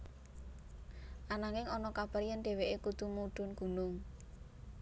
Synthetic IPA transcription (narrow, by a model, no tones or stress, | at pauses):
ʔanaŋɪŋɔnɔkab̥əɾjanɖ̪e̤weʔekud̪̥umuɖ̥ʊ̤nɡ̥ṳnʊŋ